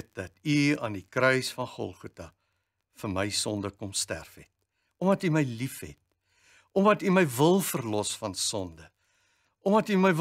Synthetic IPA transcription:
t̚dɐtyɐːndikɾəjsfɐnχɔ̰lˠχutɐ | fərməjsɔndəkɔmstæ̰rfɛt̚ | ɔmɐtyməjlifɦɛ̰t̚ | ʔɔmɐtyməjvəlˠfərlɔsfɐnsɔndə | ʔɔmɐtyməjv

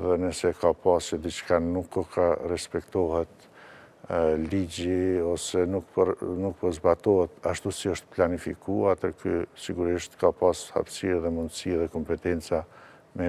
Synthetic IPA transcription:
ðɛnəsɛkapasid̪it͡ʃkanukɔkʰarɛspɛkt̪ɔhɛt̪ | lid͡ʑiɔsɛnukpnuk̚pɔɾzbat̪ɔɦɛt̪aʃt̪usiɔʃt̪planifikuat̪əɾkysiɡuɾiʃt̪kapasha̰psiɛðɛmund̪əsiɛðɛkɔmpɛt̪ɛnt͡sa | mɛ

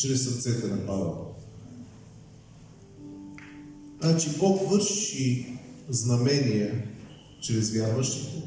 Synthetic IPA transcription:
t͡ʃɾɛsɐɾt̪sɛt̪ɛnɐpad̪ə̰ | nat͡ʃipokvɤɾʃiznɐmɛnijɛ | t͡ʃɾɛzvʲjaɾvəʃt̪ot̪o

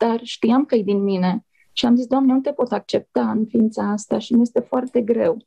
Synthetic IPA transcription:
d̪̥arʃt̪ijamkəjd̪inmine̞ | ʃiamzisd̪oamneut̪e̞po̞t̪ak̚t͡ʃe̞p̚t̪aɨnfiint̪saast̪aʃimije̞st̪e̞foart̪e̞ɡɾe̞w

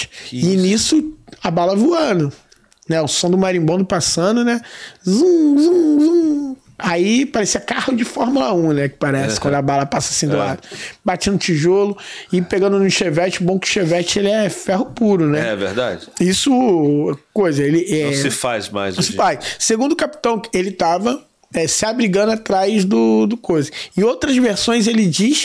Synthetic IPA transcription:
ɪinisʊabalɐvuɐ̃nʊ | nɛʊsõd̪ʊmaɾĩbõd̪ʊpasɐ̃nʊnɛzũzũzũ | aipaɾɛsiɛkahʊd͡ʒɪfɔhmɐlaũnɛkɪ̥paɾɛsɪ̥kwɐ̃d̪ʊabalɐpasɐasĩd̪ʊlad̪ʊbat͡ʃĩnd̪ʊt͡ʃiʒolʊɪpeɡɐ̃nd̪ʊnʊʃevɛt͡ʃɪʊbõkʊ̥ʃevɛt͡ʃɪelɪɛfɛɦʊpuɾʊnɛɛɛvḛɾd̪a̰d͡ʒɪisʊ | kojzɐelɪʔɛ̃ɪfazma̰jz̃sɪfajʃsseɡũd̪ʊkapi̥t̪ɐ̃w̃elɪt̪avɐ | ɛsɪabɾiɡɐ̃nd̪ʊat̪ɾajzd̪ʊd̪ʊkojzɪẽj̃owt̪ɾɐzveɾsõj̃zelɪd͡ʒiʃ

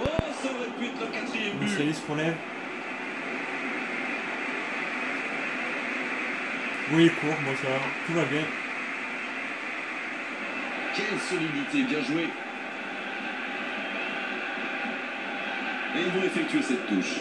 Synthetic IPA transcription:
ɔsɔnɛpit̪lãkat̪χijɛmysɛliskɔ̃lɛv | wwikʰuʁmɔ̃swaʁt̪uvabjɛ̃ | kʲɛlsɔlid̪it̪ebjɛ̃ʒwe | evɔ̃efɛk̚t̪ɥesɛt̪ːuʃ

